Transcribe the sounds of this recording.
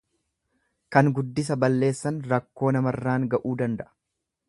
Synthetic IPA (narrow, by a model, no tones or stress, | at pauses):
kɐŋɡʊd̪ːɪs̬ɐbɐlːe̞ːsːɐnɾɐkːo̞ːnɐmɐrːaːŋɡɐʔuːd̪ɐnd̪ɐʔɐ̥